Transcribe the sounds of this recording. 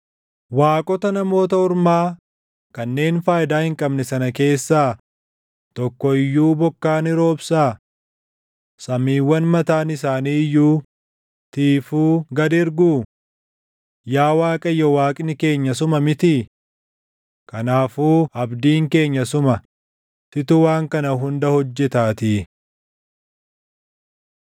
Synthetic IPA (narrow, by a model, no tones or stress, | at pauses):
waːkʼɔt̪ɐnɐmo̞ːt̪̬ɐʊɾmaː | kɐnːe̞ːnfaːjɪd̪aːhɪŋkʼɐbnɛsɐnɐke̞ːsːaː | t̪ɔkːɔɪjːuːbɔkːaːnɪɾo̞ːbsaː | sɐmiːwːɐnmɐt̪aːnɪsaːniːjːuː | t̪iːfuːɡɐd̪ɪɾɡuː | jaːwaːkʼɐjɔwaːkʼɪnɪke̞ːɲːɐs̬ʊmɐmɪt̪ɪ | kɐnaːfuːɐbd̪iːŋke̞ːɲːɐsʊmɐ | t̪ɪt̪ʊwaːŋkɐnɐɦʊnd̪ɐhɔd͡ʒːɛt̪aːt̪ɪː